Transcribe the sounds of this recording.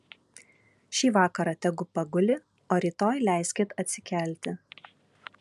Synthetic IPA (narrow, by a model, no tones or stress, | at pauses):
ʃʲiːʋɑːkɐɾɑːt̪ʲɛɡʊpɐɡʊlʲɪ | oːɾʲiːt̪oːjlʲæˑɪsʲkʲɪt̪ɐt̪ʲsʲɪkʲæˑlʲt̪ʲɪ